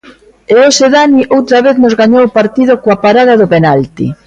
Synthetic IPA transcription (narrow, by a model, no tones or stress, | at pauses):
eoseðaniʔowt̪ɾɐβeθnʊzɣaɲowpaɾt̪ið̞okoapaɾaðɐðʊpenalt̪ḭ